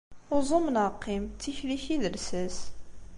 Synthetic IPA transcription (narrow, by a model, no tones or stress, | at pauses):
ʊzˤomnəqːimt͡sːiçliçiðəɾsæs